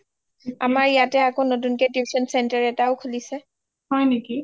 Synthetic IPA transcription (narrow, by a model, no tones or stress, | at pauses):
amaɹijatɛakonotunkɛdibisɔnsɛntɛɹɛtaʊkʰulisɛ | hɔjneki